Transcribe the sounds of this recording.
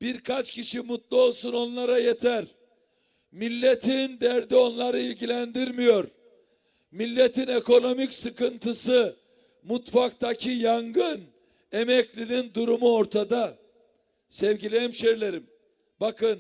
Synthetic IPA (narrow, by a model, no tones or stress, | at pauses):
b̥iɾkʰat͡ʃcʰiʃimut̪lˠuo̞lˠsuno̞nlˠaɾajet̪ʰæɾ | milʲːet̪ʰind̪æɾd̪io̞nlˠaɾɯilʲɟilʲænd̪iɾmijo̞ɾ | milʲːet̪ʰine̞ko̞no̞micsɯkɯnt̪ʰɯsɯ | mut̪fak̚t̪ʰacʰijaŋɡɯn | e̞mɛclʲinind̪uɾumuo̞ɾt̪ʰad̪a | sɛvɟilʲejimʃeɾlʲeɾim | bakʰɯn